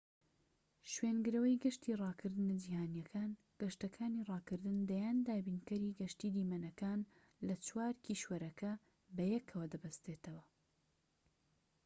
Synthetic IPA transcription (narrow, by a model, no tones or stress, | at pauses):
ʃweːnɡɨɾɐwɐjɡɐʃt̪iːrˤɑːkʰɨɾd̪ɨnɨd͡ʒiːhaːnjɐkʰaːn | ɡ̥ɐʃt̪ɐkʰaːniːrˤɑːkɨɾd̪ɨnd̪ɐjaːnd̪aːbiːnkɐɾiːɡɐʃt̪iːd̪iːmɐnɐkaːn | lɐt͡swaːɾkiʃwɐɾɐkʰɐ | bɐjɛkʰːɐwɐd̪ɐbɐst̪eːt̪ɐwɐ